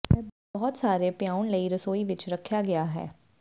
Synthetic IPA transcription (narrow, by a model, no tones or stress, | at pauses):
ɛ | bɔɦɔt̪saːɾepjaːʊnləiɾəsoːiʋɪt͡ʃɾɐkʰːjaɡɐjaːɦɛ̰ː